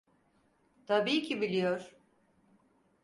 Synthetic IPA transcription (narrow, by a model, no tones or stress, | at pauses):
t̪ʰabiːcʰibilʲijoɾ̥